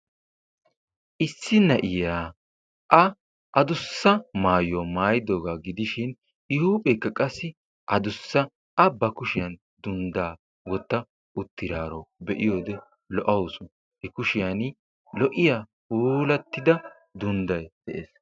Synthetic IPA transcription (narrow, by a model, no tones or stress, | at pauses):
ʔɪsːɪnɐʔɪjaː | ʔɐ | ʔɐd̪ʊsːɐmaːjomaːjɪd̪oːɡaɡɪd̪ɪʃɪn | ɪhuːpʼɛkːɐkʼɐsːɪ | ʔɐd̪ʊsːɐ | ʔɐbɐkʊʃɪjɐn | d̪ʊnd̪aː | wɔt̪ːɐ | ʊt̪ːɪɾaːɾɔbɛʔɪjo̞ːd̪ɛ | lɔʔɐwsʊn | hɛkʊʃɪjɐn | lɔʔɪja | puːlɐt̪ːɪd̪ɐ | d̪ʊnd̪ɐjd̪̥ɛʔḛːs